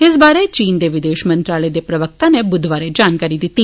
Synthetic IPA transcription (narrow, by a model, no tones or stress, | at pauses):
ɪsbaːɾet͡ʃiːnd̪eʋɪd̪eːʃmə̃nt̪ɾaːləed̪epɾɐʋək̚t̪ãnebʊd̪ʱʋaːɾed͡ʒaːnkaːɾid̪ɪt̪ːi